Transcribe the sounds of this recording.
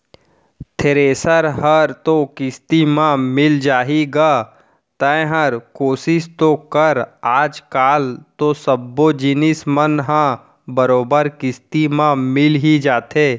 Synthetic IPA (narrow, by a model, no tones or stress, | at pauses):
t̪ʰeɾeːsəɾɦəɾt̪okɪst̪imãmɪld͡ʒaːɦiɡaː | t̪əẽɦəɾkoːsɪʃt̪okəɾaːd͡ʒkaːlt̪osəbːod͡ʒɪnɪsmənɦã | bəɾoːbəɾkɪst̪imãmɪlɦid͡ʒaːt̪eː